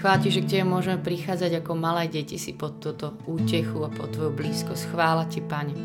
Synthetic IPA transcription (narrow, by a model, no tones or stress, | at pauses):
xʋaːlciʒɛk̚cɛbɛmʊɔʒɛmɛpɾixaːd͡zaɟakɔmalɛːɟɛcisipɔt̪ːɔt̪ɔuːcɛxuapɔt̪ʋɔjubliːskɔscxʋaːlacipaɲɛ